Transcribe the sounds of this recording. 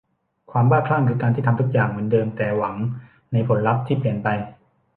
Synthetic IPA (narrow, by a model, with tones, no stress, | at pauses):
kʰwaː˧mbaː˥˩kʰla˥˩ŋɾɯː˩˦kaː˧t̪ʰiː˥˩a˧mt̪ʰu˦˥k̚jaː˨˩ŋmɯ˩˦əndɤː˧mt̪ɛː˨˩wa˩˦ŋ | na˧jpʰo˩˦nɾa˦˥p̚t̪ʰiː˥˩pli˨˩ənpa˧j